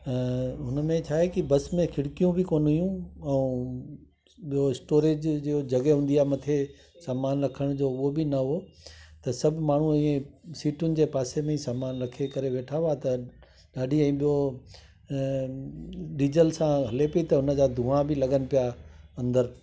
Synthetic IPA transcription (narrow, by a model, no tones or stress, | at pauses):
ɦʊnəmẽt͡ɕʰaːɦekibɐsmẽkʰɪɽkijũbʱɪkoːnijũɛ̃ | ɓijoɪsʈoːɾeːd͡ʑd͡ʑiod͡ʑɐɡeɦũːn̆d̪iaːmɐt̪ʰe | saːmaːnɾɐkʰəɽ̃d͡ʑoːʊɦobɪnɐɦot̪ɐsɐbʱmaːɳ̤ũĩːẽsiːʈʊnɪ̆d͡ʑeːpaːsemẽisaːmaːnɾɐkʰekɐɾeʋeːʈʰaʋat̪ɐ | ɗaːɖʱiɛ̃ːɓijo | ɗiːd͡ʑəlsãɦɐlepɐit̪ɐʊnə̆d͡ʑaːd̪ʱũãbʱɪlɐɠənɪ̆pijaɐ̃nd̪əɾ